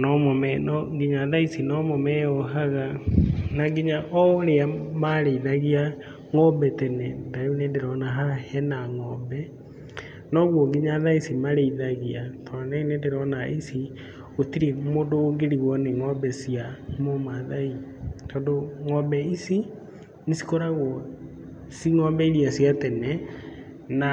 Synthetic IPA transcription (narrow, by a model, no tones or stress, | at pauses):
nɔmɔmɛnɔɡiɲaðaisinɔmɔmɛɔɦaɣanaɡiɲaʔɔɾeamaɾeiðaɣia | ŋɔbɛtɛnɛndajonedeɾɔnaɦaahɛnaŋɔbɛ | nɔɣwɔɡiɲaðaisimaɾeiðaɣiatɔɾanainendeɾɔnaʔisi | otiɾemodoːŋɡeɾiɣwɔneŋɔmbɛsiamomaðaitɔːndoŋɔmbɛisi | nesi̥kɔɾaɣwɔ | siŋɔmbɛiɾiasiatɛnɛ | na